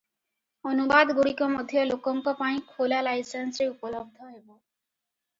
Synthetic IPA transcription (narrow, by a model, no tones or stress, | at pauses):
onubad̪ɡuɽikɔmɔd̪ʱijɔlokɔŋkɔpaĩkʰolalajsensɾeupɔlɔb̚d̪ʱɔɦebo